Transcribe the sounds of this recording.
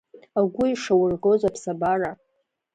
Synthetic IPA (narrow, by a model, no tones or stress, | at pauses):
aɡʷʊjʂawʊrɡozapʰsabara